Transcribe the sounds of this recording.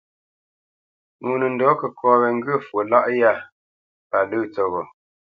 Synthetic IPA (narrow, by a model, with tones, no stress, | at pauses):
ŋu˨nə˨n˨dɔ˨˦kə˨kʰɔ̃ː˨˦βɛ˨ŋ̩˦ɡə˦˨fə˨la˦ʔja˦˨ | pa˨lɨ˦˨t͡sɔ˨ɣɔ˨